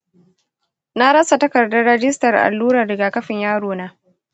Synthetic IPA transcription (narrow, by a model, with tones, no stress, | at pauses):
na˦ɽɐ˦sa˨tɐ˦kɐ˨rdɐ˦ɽɐ˦d͡ʒɪ˦stɐ˨rʔa̰˨lːuː˦ɾaː˨dɐ˨ɡa˨kɐ˦ɸɪ˨ɲjaː˦ɽoː˨naː˦